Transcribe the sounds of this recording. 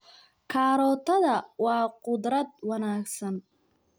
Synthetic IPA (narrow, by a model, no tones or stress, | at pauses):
kʰaːɾɔt̪ʰɐd̪ɐwaːqʊd̪ɾɐt̪̚wɐnaːksɐn